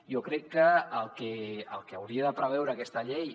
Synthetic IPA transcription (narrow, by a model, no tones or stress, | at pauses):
jokɾɛkːəːlˠkeəlˠkeawɾiəðəpɾəβ̞ɛwɾəːkɛst̪əʎej